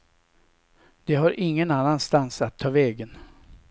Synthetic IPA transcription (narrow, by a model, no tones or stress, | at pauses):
d̪̥ɛɦaɾʔɪŋːənanːanst̪ansat̪ʰːɑːvɛːɡən